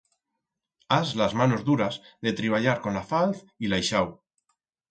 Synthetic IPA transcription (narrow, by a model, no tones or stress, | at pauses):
azlazmanozðuɾazðe̞t̪ɾiβ̞aʎaɾko̞nlafalθ | ilajʃaw